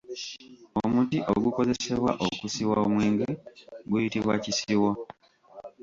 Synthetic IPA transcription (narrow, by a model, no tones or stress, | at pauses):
o̰mutiʔo̰ɡuko̞ze̞seβwa̰ʔokusiwaomweːŋɡeɡujitiβwa̰cisiwa